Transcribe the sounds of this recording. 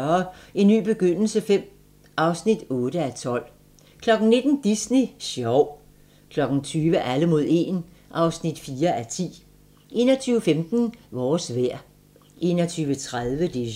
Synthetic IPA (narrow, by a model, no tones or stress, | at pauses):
ɐe̝nːy̰ːb̥e̝ɡ̥øn̰l̩səfem̰ | ʔɑ̈ʊsnid̥ɔ̽ːɾ̥əæt͡sʰɒ̽l̰ | kʰlɒ̽ɡ̥n̩ne̝d̥n̩d̥isneɕɒʊ̰ | kʰlɒ̽ɡ̥n̩t͡sʰyːʋəʔæləmo̝ð̞ˠe̝̰ːn | ʔɑ̈ʊsnid̥fiːɐʔæɐt͡sʰḭː | ʔe̝̰ːnɐt͡sʰyːʊəfemd̥n̩ʋɒːsʋæɐ̰ | ʔe̝̰ːnɐt͡sʰyːʋət͡sʰʁað̞ˠʋəd̥e